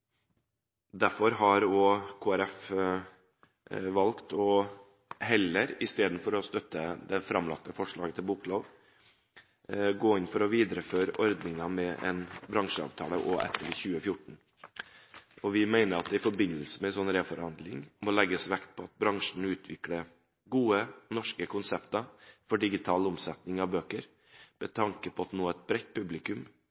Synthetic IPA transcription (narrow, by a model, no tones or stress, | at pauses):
d̪æɾfɔɾɦɑɾɔkʰoːæɾɛf | ʋɑlkt̪ɔ | ɦɛləɾɪst̪eːd̪n̩fɔɾɔst̪œt̪ʰːəd̪ɛfɾɑmlɑ̰k̚t̪ːəfɔʂɭɑːɡət̪ʰɪlbukloːʋ | ɡoːɪnfɔɾɔʋiːd̪ɾəføːɾəʔɔɾd̪nɪŋɑmɛʔɛ̰nbɾɑŋʂəɑ̰ːʋt̪ʰɑ̰ːləʔoːʔɛ̰t̪ʰːəɖɪçʉːəfjʊʈɳ̩ | ɔʋɪmæɪnəɾɑt̪̚d̪ɛɪfɔɾbɪnəlsəmɛsɔnɾeːfɔɾhɑnd̪lɪŋmɔlɛɡːəsʋɛkt̪̚pʰɔɑt̪̚bɾɑŋʂɳ̩ʉːt̪ʰʋɪklə | ɡuːənɔʂkəkʰʊnsɛpt̪ɑfɔɖɪɡɪt̪ʰɑːlʊmsɛt̪nɪŋɑʋbøːkəɾ | mɛt̪ʰɑŋkəpʰɔɑt̪noːɛt̪̚bɾɛt̪̚ːpʰʉblɪkʉm